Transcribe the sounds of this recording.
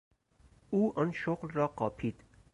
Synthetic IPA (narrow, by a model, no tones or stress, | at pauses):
uːʔɔnʃoqlɾɒːqɒːpʰiːd̪̥